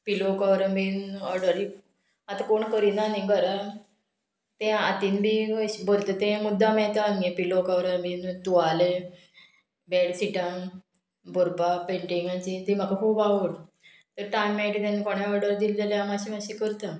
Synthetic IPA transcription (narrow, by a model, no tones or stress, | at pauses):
pilokaʋɾəmbinɔɾɖəɾi | at̪akoɳkəɾinaniɡəɾa | t̪ẽat̪inbʱiəbəɾt̪ət̪ẽmud̪ʱːamɛ̃t̪aaŋɡepilokawɾəmbint̪uʋale | bɛɽsiʈam | boɾpapeɳʈiŋɡat͡ɕid̪im̤akakʰuːbaʋuɽ | t̪əɾʈajmːɛʈt̪enekoɽ̃ãɔɾɖəɾd̪ild͡zaljamaɕimaɕikəɾt̪a